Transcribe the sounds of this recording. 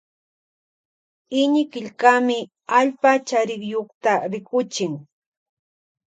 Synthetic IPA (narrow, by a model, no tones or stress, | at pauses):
ɪɲɪkɪʎkamɪ | aʎpat͡ʃaɾɪkjoχt̪aɾɪkʊt͡ʃɪŋ